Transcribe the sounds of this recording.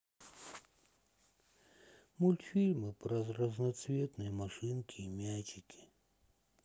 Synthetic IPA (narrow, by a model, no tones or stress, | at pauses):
mulʲt̪fʲilʲmɨpɾɐzrɐznɐt̪svʲet̪nɨjəmɐʂɨnkʲiːmʲæt͡ʃɪkʲi̥